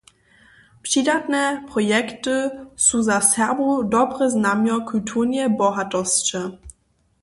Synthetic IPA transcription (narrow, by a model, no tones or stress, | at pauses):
pɕidatnɛpʁɔjɛktɨsuzasɛʁbudɔbʁəznamjɔkʰultʰuʁnɛbɔɦatɔst͡ʃɛ